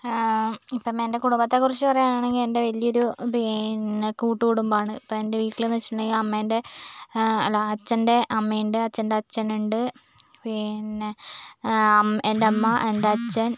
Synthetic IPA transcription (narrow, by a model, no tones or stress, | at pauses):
ipːɐmende̞kuɽumbɐt̪ːekurit͡ɕːɨpɐrɐjaːnaːɳe̞ŋɡile̞nde̞ʋɐlijɐo̞ɾubenkuːʈːukoɽumbaːɳɨipːɐme̞nde̞ʋiːʈkilenːɐʋit͡ɕːiʈuɳɖeŋɡilɐmːɐende̞ | ɐlːoɐt͡ɕːɐnde̞ʔɐmːejɳɖeɐt͡ɕːɐnde̞ɐt͡ɕːɐnuɳɖɨ | pine | endeɐmːɐʔendeɐt͡ɕːɐn